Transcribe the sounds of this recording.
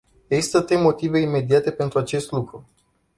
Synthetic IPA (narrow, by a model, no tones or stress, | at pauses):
eist̪ət̪ɾemo̞t̪ive̞ime̞d̪iat̪e̞pe̞nt̪ɾuat͡ʃe̞st̪lukɾu